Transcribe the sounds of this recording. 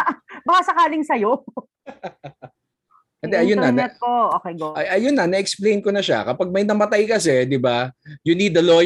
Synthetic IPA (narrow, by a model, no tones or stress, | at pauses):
bɐkasɐkaːlɪŋsɐjo | d̪ɛʔɐjonːɐnɛt̪̚koʔoːkejɡoʔɐʔɐjonːɐnɐʔɛksplejnkonɐʃa̰kɐpaɡ̚mɐjnɐmɐt̪ajkɐsɛd̪ɪbajʊniːd̪ːɐlo